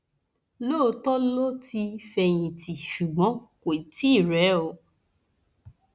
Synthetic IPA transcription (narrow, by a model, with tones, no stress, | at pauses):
lo˦˧tɔ˦lo˦ti˧fɛ˧j̃ĩ˨ti˨ʃu˨ɡ͡bɔ̃˨˦ko˨i˨ti˦˨ɾɛ˨˦o˨˧˦